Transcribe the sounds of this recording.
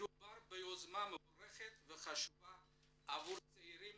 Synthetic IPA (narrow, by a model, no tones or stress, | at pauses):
ubarbajozmamɨbreχʲetʼvɨχaʃuvaː | vuɾt͡sʰʼejɾim